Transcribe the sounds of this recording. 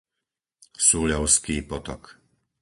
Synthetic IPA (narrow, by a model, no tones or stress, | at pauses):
suːʎɔʊskiːpɔt̪ɔk